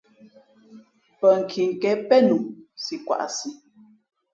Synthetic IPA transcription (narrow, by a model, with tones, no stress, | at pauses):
pə˨ŋ̩˨kʰi˨ŋ̩˨kɛ˨˦pɛ˦nu˨si˨kwa̰˨ʔsi˨